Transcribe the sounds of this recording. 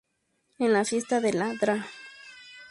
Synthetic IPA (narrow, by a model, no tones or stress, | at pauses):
enlafjest̪aðelad̪ɾa